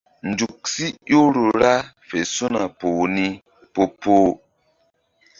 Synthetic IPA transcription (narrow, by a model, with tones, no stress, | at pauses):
n̩˨d͡ʒu˨k̚si˦jo˦ɾu˨ɾa˦ | fɛ˨su˦na˨poː˨ni˦ | po˦poː˦